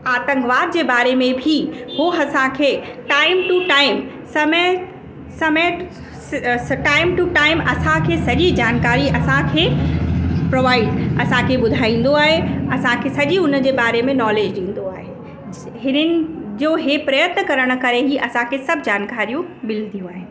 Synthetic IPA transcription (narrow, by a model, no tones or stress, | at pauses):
aːt̪ə̃ŋɡʋaːd̪̚d͡ʑebaːɾemẽbʱiɦoɐsãkʰeːʈaːɪmʈuʈaːɪm | sɐmə | sɐməʈ | sʈaːɪmʈuʈaːɪmɐsãkʰeːsɐʄid͡ʑaːnkaːɾiʔɐsãkʰeː | pɾoːʋaːɪɖɐsãkʰeɓʊd̪ʱaːĩːn̆d̪oaːɦeɐsãkʰesɐʄiʊnd͡ʑebaːɾemẽnɔːleːd͡ʑɗĩːn̆d̪oaːɦe | ɦɪnənɪ̆d͡ʑoɦepɾɐjət̪nəkɐɾəɽ̃̆kɐɾeɦiʔɐsãkʰesɐbʱd͡ʑaːnkaːɾijũmɪld̪ʱijũaːɦe